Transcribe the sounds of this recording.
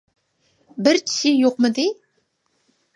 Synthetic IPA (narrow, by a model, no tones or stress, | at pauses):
bɪɾt͡ʃʰi̥ʃɪjoqmɨd̪ɪ